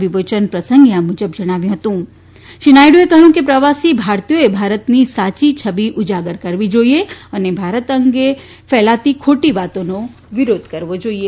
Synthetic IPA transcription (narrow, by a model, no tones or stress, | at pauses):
ʋɪʋoːt͡ʃənpɾɐsə̃ŋɡjãmʊd͡ʒəbd͡ʒɐɽ̃aːʋjũɦɐt̪ũ | ʃɪnaːjɖoekɐɦũkipɾɐʋaːsibʱaːɾt̪ijõebʱaːɾət̪nisaːt͡ʃit͡ʃʰɐbiʔʊd͡ʒaːɡəɾkɐɾʋid͡ʒoːieənebʱaːɾət̪ɐ̃ŋɡe | fɛːlaːt̪ikʰoːʈiʋaːt̪õno | ʋɪɾoːd̪ʱkɐɾʋod͡ʒoːie